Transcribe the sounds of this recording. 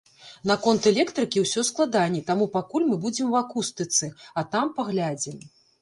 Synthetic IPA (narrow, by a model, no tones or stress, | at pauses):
nɐkɔnt̪ɛlʲɛkt̪ɾɨkʲiwsʲɔsklˠad̪anʲɛt̪amupakulʲmɨbud͡zʲɛmwakust̪ɨt̪sɨɐt̪ampaɣlʲad͡zʲɛm